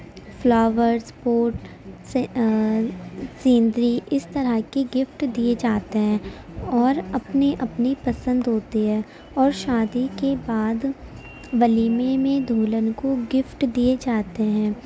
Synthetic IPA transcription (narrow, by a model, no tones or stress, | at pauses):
flɔːʋəɾspoːʈ | sĩːnd̪ɾiʔɪst̪ɐɾəɦkeɡɪfʈd̪ied͡ʒaːt̪eɦɛ̃ː | ɔːɾɐpneʔɐpnipɐsə̃nd̪ɦoːt̪eɦɛ̃ː | ɔːɾʃaːd̪ikebaːd̪ | ʋɐliːmemẽd̪ʱuːlənkoɡɪfʈd̪ied͡ʒaːt̪eɦɛ̃ː